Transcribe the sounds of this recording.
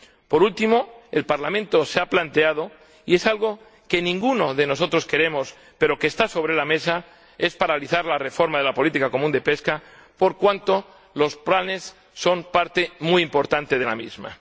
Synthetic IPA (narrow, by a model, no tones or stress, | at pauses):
po̞ɾult̪imo̞elpaɾlamẽnt̪o̞seaplant̪e̞að̞o̞ | ie̞salɣ̞o̞ | ke̞nĩŋɡuno̞ðe̞no̞so̞t̪ɾo̞ske̞ɾe̞mo̞s | pe̞ɾo̞keːst̪aso̞β̞ɾe̞lame̞sa | e̞spaɾaliθaɾlare̞fo̞ɾmað̞e̞lapo̞lit̪ikako̞mũnd̪e̞peska | po̞ɾkwant̪o̞ | lo̞splane̞sː | o̞mpaɾt̪e̞mujimpo̞ɾt̪ant̪e̞ð̞e̞la̰mizma̰